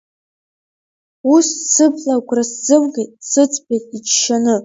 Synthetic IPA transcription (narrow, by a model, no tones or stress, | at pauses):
ussɨpʰlakʷʼraszɨmɡʲet̚ʼsɨt͡sʼbetʼit͡ʃʰʃanɨ